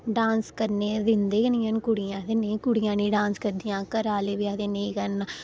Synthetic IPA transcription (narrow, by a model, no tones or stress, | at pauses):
ɖãːnskəɾneːd̪ɪnd̪eːkənɪjãnkʊɽɪjãːt̪eːnəĩːkʊɽɪjãːnĩːɖãːnskəɾd̪ijãːkəɾaːleːbiːat̪eːnəĩːkəɾna